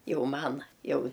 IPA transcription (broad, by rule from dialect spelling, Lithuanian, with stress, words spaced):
ˈjɛʊ ˈmɐn ˈjɛʊ